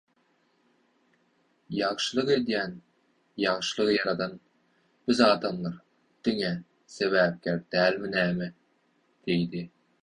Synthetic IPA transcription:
jɑʁʃɯlˠɯqe̞d̪jæːn | jɑʁʃɯlˠɯʁɯjɑɾɑd̪ɑn | bizɑːd̪ɑnlˠɯɾ | d̪̥iŋe | se̞βæːp̚kʲæɾ̚d̪̥æːlʲminæːme | d̪̥ejd̪i

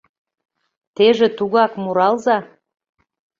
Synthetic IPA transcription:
t̪eʒĕt̪uɣɑkmuɾɑlzɑ

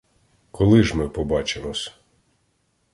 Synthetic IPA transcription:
kʰɔlˠɪʒmɪpɔbɑt͡ʃemɔsʲ

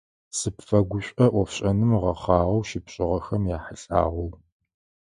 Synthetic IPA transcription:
sɨpfɐɡʷʊɕʷʼɐʔʷɔfɕʼɐnɨmʁɐχɑːʁɐwʃɪpɕʼɪʁɐxɐmjaːħəɬʼa̰ːʁɐw

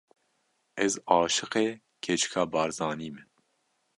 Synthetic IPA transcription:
ɛzɑːʃɨqeː | kʰet͡ʃʰɨ̥kʰɑːbɑːɾzɑːniːmɛ

